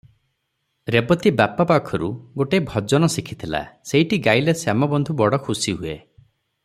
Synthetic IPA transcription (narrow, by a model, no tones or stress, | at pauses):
ɾebɔt̪ibapɔpakʰɔɾuɡoʈeːbʱɔd͡ʒɔnɔsikʰit̪ʰila̰seiʈiɡajlesamɔbɔnd̪ʱubɔɽɔkʰusiɦue